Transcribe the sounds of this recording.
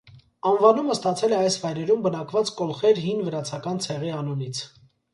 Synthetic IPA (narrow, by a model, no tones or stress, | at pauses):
ɑnvɑnuməst̪ɑt͡sʰɛlɛɑjsvɑjɾɛɾumbənɑkvɑt͡skɔlχɛɾɦinvəɾɑt͡sʰɑkɑnt͡sʰɛʁiɑnɔnit͡sʰ